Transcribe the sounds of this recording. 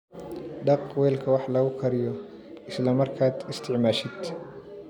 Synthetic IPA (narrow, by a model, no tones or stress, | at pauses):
ɖɑqwɛːlkʰɐwɑħlɐɣʊkʰɐɾɪjɔ | ɪslɐmɐrkʰaːd̪ɪst̪ʰɪʕmaːʃɪd̪̥